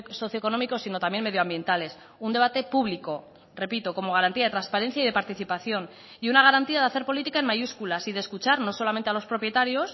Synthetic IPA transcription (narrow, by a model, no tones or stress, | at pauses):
so̞θjoko̞no̞miko̞sino̞t̪amje̞nme̞ðjoambje̞nt̪ale̞s | und̪e̞β̞at̪e̞puβliko̞ | re̞pit̪o̞ko̞mo̞ɣ̞aɾant̪iaðet̪ɾanspaɾe̞n̟θjaiðe̞paɾt̪iθipaθjo̞n | iunaɣ̞aɾant̪iaðaθe̞ɾpo̞lit̪ikaenmajuskulasiðe̞skut͡ʃaɾno̞so̞lame̞nt̪ealo̞spɾo̞pje̞t̪aɾjo̞s